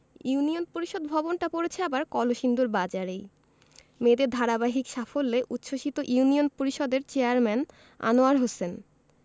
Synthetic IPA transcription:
unionpoɾiʃod̪bʱɔbonʈapoɾet͡ɕʰeabaɾkɔloʃind̪uɾbad͡ʑaɾej | med̪ed̪ʱaɾabaɦikʃafolːeʔut̪ːʃʰoʃit̪oʔiunionpoɾiʃɔd̪eɾt͡ɕeaɾmɛn | a̰noaɾɦosen

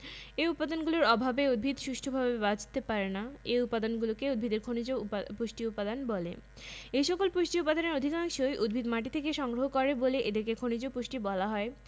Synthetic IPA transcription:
eupːad̪onɡuloɾɔbʱabeud̪̚bʱid̪ʃuʃʈʰobʱabebad͡ʑʱt̪epaɾenaejupːad̪onɡulokeud̪̚bʱid̪eɾkʰonid͡ʑopoʃʈiupːad̪anbolḛ | ejʃɔkolpoʃʈiupːad̪oneɾod̪ʱikaŋʃojʔud̪̚bʱid̪maʈit̪ʰekeʃɔŋɡɾoɦokɔɾeboleʔed̪eɾkekʰonid͡ʑopoʃʈibɔlaɦɔe

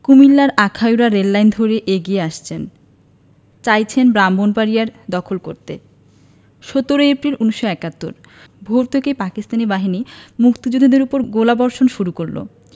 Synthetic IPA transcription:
kumilːaɾakʰajuɾaɾelːajnd̪ʱoɾeʔeɡieaʃt͡ɕʰen | t͡ɕajt͡ɕʰenbɾambonpaɾijaɾd̪ɔkʰolkoɾt̪e | ʃot̪oɾoepɾiluniʃːoɛkat̪ːo̰ɾ | bʱoɾt̪ʰekepakist̪anibaɦinimukt̪id͡ʑud̪ʱːid̪eɾupoɾɡolabɔɾʃonʃuɾukoɾlo̰

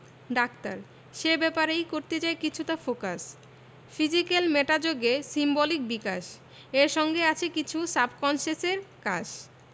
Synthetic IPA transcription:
ɖakt̪a̰ɾ | ʃebɛpaɾejkoɾt̪et͡ɕaekit͡ɕʰut̪afoka̰s | fid͡ʑikelmeʈad͡ʑoɡesimbɔlik̚bikaʃ | eɾʃɔŋɡeat͡ɕʰekit͡ɕʰusabʱkɔnʃeseɾka̰d͡ʑ

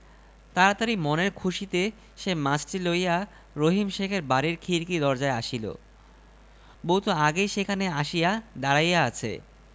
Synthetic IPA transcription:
t̪aɾat̪aɾimoneɾkʰuʃit̪e | ʃemãt͡ɕʈiloija | ɾoɦimʃekʰeɾbaɾiɾkʰiɾkid̪ɔɾd͡ʑaeaʃilo̰ | boɦut̪oaɡejʃekʰaneaʃijad̪aɾajaat͡ɕʰḛ

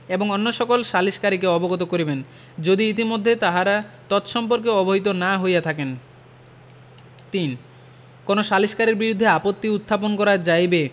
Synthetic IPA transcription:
eboŋonːoʃɔkolʃaliʃkaɾikeɔboɡot̪̬okoɾiben | d͡ʑod̪iit̪̬imod̪ʱːet̪aɦaɾat̪ɔt̪ʃɔmpoɾkeɔboɦit̪onaɦojat̪ʰaken | t̪in | konoʃaliʃkaɾeɾbiɾud̪ʱːeapot̪ːiut̪ʰːap̬onkɔɾad͡ʑajbe

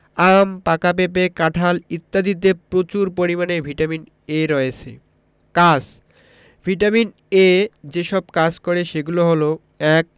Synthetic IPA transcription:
ampakap̬ep̬ekaʈʰalit̪ːad̪id̪epɾot͡ɕuɾpoɾimanebʱiʈamin | eɾɔet͡ɕʰḛ | kad͡ʑ | bʱiʈamin | ed͡ʑeʃɔb̚kad͡ʑkoɾeʃeɡuloɦolo | ɛk̚

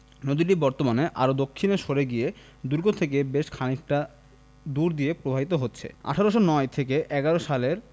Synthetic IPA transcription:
nod̪iʈibɔɾt̪omaneʔa̰ɾod̪okʰːineʃoɾeɡije | d̪uɾɡot̪ʰek̬ebeʃkʰanik̚ʈa | d̪uɾd̪ijepɾobʱabit̪oɦotːɕʰḛa̰ʈʰaɾoʃonɔet̪ʰek̬eʔɛɡaɾoʃaleɾ

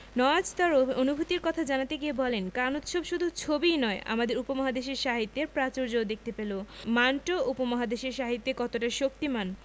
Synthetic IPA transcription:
nɔad͡ʑt̪aɾoonubʱut̪iɾkɔt̪ʰad͡ʑanat̪eɡiebɔlenkanot̪ʃobʃud̪ʱut͡ɕʰobinɔeʔa̰mad̪eɾupomaɦad̪eʃeɾʃaɦit̪ːeɾpɾat͡ɕoɾd͡ʑod̪ek̚ʰt̪epelomanʈoʔupomaɦad̪eʃeɾʃaɦit̪ːekɔt̪oʈaʃokt̪iman

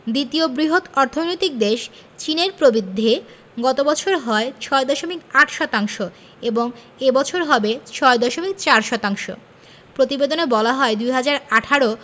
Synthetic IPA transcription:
d̪it̪iobɾiɦot̪ɔɾt̪ʰonojt̪ik̚d̪eʃ | t͡ɕineɾpɾobid̪ʱːe | ɡɔt̪obɔt͡ɕʰoɾɦɔet͡ɕʰɔed̪ɔʃomikaʈʰʃɔt̪aŋʃo | eboŋ | ebɔt͡ɕʰoɾɦɔbet͡ɕʰɔed̪ɔʃomik̚t͡ɕaɾʃɔt̪aŋʃo̰ | pɾot̪ibed̪onebɔlaɦɔed̪ujɦad͡ʑaɾaʈʰaɾo

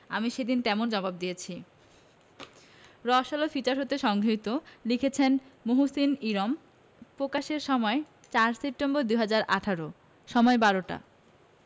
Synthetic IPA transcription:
a̰miʃed̪int̪ɛmond͡ʑɔbabd̪ijet͡ɕʰi | ɾɔʃalofit͡ɕaɾɦot̪eʃɔŋɡʱot̪olikʰet͡ɕʰenmoɦusiniɾom | pɾokaʃeɾʃɔmɔe | t͡ɕaɾsep̚ʈemboɾd̪uɦad͡ʑaɾʔaʈʰaɾo | ʃɔmɔebaɾoʈa̰

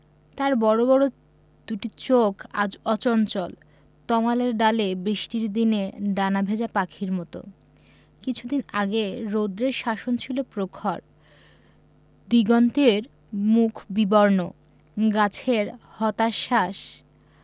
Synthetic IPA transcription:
t̪aɾbɔɾobɔɾo | d̪uʈit͡ɕokʰa̰d͡ʑɔt͡ɕɔnt͡ɕɔl | t̪ɔmaleɾɖalebɾiʃʈiɾd̪ineɖanabʱed͡ʑapakʰiɾmɔt̪o̰ | kit͡ɕʰud̪inaɡeɾod̪ɾeɾʃaʃont͡ɕʰilopɾokʰaɾ | d̪iɡɔnt̪eɾ | mukʰbibɔɾno | ɡat͡ɕʰeɾhɔt̪aʃaʃ

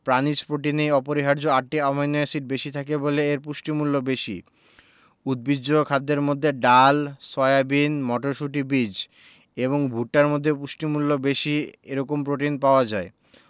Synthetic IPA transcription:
pɾanit͡ɕpɾoʈinejɔpoɾiɦaɾd͡ʑoaʈːiamajnoesiʈ̚beʃit̪ʰakeboleeɾpuʃʈimulːobeʃḭ | ud̪̚bid͡ʑokʰad̪ːeɾmod̪ʱːeɖalsɔeabinmɔʈoɾʃuʈibid͡ʑ | eβoŋbʱuʈːaɾmod̪ʱːepuʃʈimulːobeʃieɾɔkompɾoʈinpaoad͡ʑae

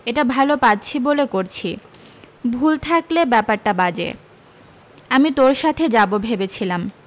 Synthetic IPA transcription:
eʈabʱalopat̚ːt͡ɕʰibolekoɾt͡ɕʰi | bʱult̪ʰaklebɛpaɾʈabad͡ʑḛ | amit̪oɾʃat̪ʰed͡ʑabobʱebet͡ɕʰilam

